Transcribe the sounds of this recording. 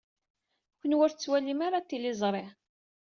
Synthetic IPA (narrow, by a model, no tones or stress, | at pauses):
kənwəɾt͡sːwælimaɾat̪ːilɪzˤɾˤe